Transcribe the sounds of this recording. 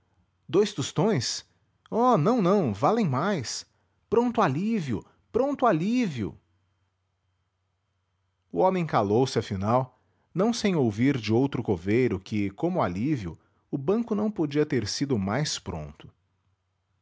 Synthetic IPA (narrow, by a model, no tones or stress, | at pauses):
d̪ojst̪ust̪õj̃s | ɔnɐ̃w̃nɐ̃w̃valẽj̃majs | pɾõnt̪ʊaliviʊ̰ | pɾõnt̪ʊaliviʊ̰ | ʊomẽj̃kalowsɪɐfinaw | nɐ̃w̃sẽj̃owviɾd͡ʒɪowt̪ɾʊkovejɾʊkɪkõmʊaliviʊ̰ | ʊbɐ̃kʊnɐ̃w̃pod͡ʒiɐt̪eɾsid̪ʊmajspɾõ̰nt̪ʊ̥